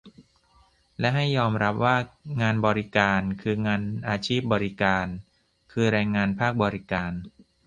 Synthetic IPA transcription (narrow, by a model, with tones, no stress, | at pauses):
lɛ˦˥ɦa˥˩jːɔː˧mɾa˦˥p̚waː˥˩ŋaː˧nbɔː˧ɾi˦˥kaː˧nkʰɯː˧ŋaː˧nʔaː˧t͡ɕʰiː˥˩p̚bɔː˧ɾi˦˥kaː˧n | kʰɯː˧ɾaː˧jŋaː˧npʰaː˥˩k̚bɔː˧ɾi˦kaː˧n